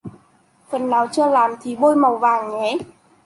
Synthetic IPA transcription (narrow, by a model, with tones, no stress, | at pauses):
fə˨˩nːaː˨˩wt͡ɕɨː˧laː˨˩mt̪ʰi˨˩ɓo˧jmə˨˩wvaː˨˩ŋɲɛ˨˦